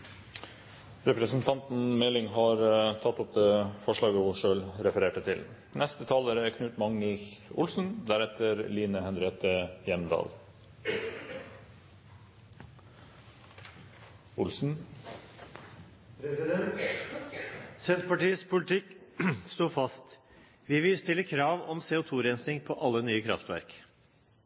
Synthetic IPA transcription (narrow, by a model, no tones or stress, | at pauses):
ɾɛpɾəsn̩t̪ʰɑnt̪n̩mɛlɪŋɦɑːɾt̪ʰɑt̪ːɔp̚d̪eːfɔʂɭɑːɡəhʊʂøːlɾɛfəɾeːʈət̪ʰɪl | nʔɛst̪ət̪ʰɑːləɾəækʰnʉːt̪mɑŋəlçʊ̰lsn̩d̪æɾɛt̪ʰəɾliːnəhɛnɾeːt̪əjɛmd̪ɑ̰ːl | ʊlsn̩ | pɾɛsɪd̪ɛt̪ | sɛnt̪pɑʈiːəspʰʊlɪt̪ʰɪkst̪uːfɑst̪ | ʋɪʋɪlst̪ɪlːəkʰɾɑːʋɔmseːʊt̪ʰuːɾɛnsnɪŋpʰoːʔɑlːənyːəkʰɾɑ̰ft̪ʋæ̰ɾk